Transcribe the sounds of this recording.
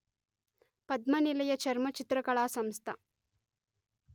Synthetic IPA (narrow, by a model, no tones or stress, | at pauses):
pɐd̪mɐnilɐjɐt͡ʃɐɾmɐt͡ʃit̪ɾɐkɐɭaːsɐmst̪ʰɐ